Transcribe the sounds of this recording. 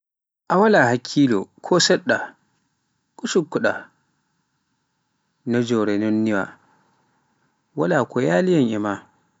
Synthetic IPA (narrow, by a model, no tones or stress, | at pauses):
ʔawalahakʲʰːiːlɔ̰kʰɔsɛɗːa | kʼusukːuɗa | nɔd͡ʒɔːɾɛnɔnːiwa̰ | walaːkɔjaːlijaŋʔɛma